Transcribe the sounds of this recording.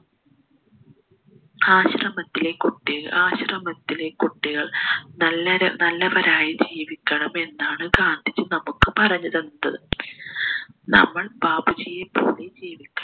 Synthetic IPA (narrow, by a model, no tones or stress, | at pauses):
aːɕrɐmɐt̪ːile̞kuʈːiaːɕrɐmɐt̪ːile̞kuʈːiɣɐɭnɐlːɐɾnɐlːɐʋɐɾaːjid͡ʑiːʋikʲːɐɳɐme̞nːaːɳɨɡaːnd̪ʱit͡ɕːɨnɐmukːɨpɐrɐɲːuðɐnnːɐðɨ | nɐ̰mːɐɭb̥aːbut͡ɕijepo̰ːɭed͡ʑiːʋikʲːɐɳ